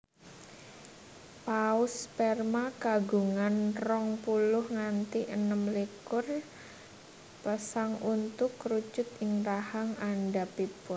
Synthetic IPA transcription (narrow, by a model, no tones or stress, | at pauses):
paʊspɛrmakaɡuŋanrɔŋpulʊhŋant̪iʔənəmlikʊr | pəsaŋunt̪ʊkrut͡ʃʊt̪ɪŋrahaŋanɖapipʊr